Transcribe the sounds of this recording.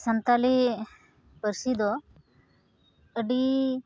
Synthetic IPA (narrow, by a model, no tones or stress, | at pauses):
sənt̪ali | pəɾsid̪ɔ | əɖi